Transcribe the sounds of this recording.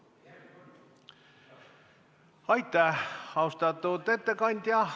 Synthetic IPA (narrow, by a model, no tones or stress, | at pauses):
ɑjt̪ːæhɑust̪ɑt̪ːut̪et̪ːekɑnʲt̪ʲjɑ